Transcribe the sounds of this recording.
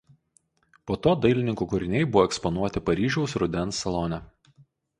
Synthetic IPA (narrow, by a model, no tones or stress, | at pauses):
poːt̪oːd̪ɐɪlʲɪnʲɪŋkuːkʊɾʲɪnʲɛɪbʊʋɔːɛkspɔnuɔt̪ʲɪpɐɾʲiːʒʲɛʊsɾʊd̪ʲɛnˑsɐlˠonʲɛ